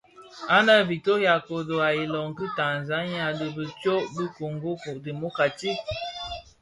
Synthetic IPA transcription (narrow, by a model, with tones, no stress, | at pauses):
a˦na˦vi˨to˦ja˨ko˨do˨a˨i˨lɔ˨ŋ˨ki˦ta˨n˨za˦ɲa˨də˨bə˨t͡ʃɔ˦ʔdə˦ko˨ŋɡo˦ku˨di˨mo˦ka˨ti˦